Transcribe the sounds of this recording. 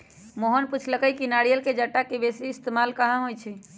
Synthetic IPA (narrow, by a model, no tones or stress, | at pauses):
moɦənput͡ʃʰləkəjkinaɽijəlked͡ʒəʈːakebesiːst̪emalkəɦãɦojt͡ʃʰi